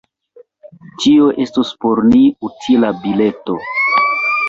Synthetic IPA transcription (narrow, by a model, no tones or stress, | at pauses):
t͡ʃio̞ʔe̞stospo̞ɾniutʰilabile̞to̞